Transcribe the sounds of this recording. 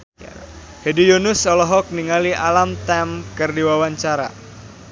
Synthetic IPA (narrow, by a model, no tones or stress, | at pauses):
hedijunʊsɔlɔɦɔk̚niŋaliʔalamt̪ɛmkɨrdiwawaɲt͡ʃaɾa̰